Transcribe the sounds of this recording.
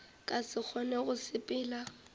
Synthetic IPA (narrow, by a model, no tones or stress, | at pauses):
kʼasɪk͡xʰɔnɛɣʊsɪpʼɪːla